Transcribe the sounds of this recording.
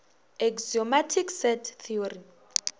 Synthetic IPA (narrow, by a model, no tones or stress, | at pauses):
ɛkziɔmatʰiksɛtʰθʰiɔɾi